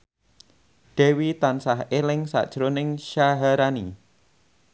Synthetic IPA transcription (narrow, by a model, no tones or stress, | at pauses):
ɖ̥ɛ̤wit̪ansahelɪŋsa̰ʔd̥ʒ̥ɾonɪŋʃaɦaɾanḭ